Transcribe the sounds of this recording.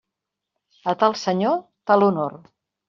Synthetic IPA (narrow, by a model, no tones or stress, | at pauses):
ət̪alˠsəɲot̪alunoɾ